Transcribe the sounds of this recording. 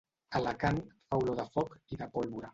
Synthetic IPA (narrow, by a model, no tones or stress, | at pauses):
alakaŋfawloðafɔkiðapɔlβuɾa